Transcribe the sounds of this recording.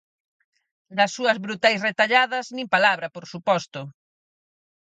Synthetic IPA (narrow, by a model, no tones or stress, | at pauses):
d̪ɐsːuɐzβɾut̪ajsret̪aʎaðɐznĩmpalaβɾɐpoɾsupɔst̪ʊ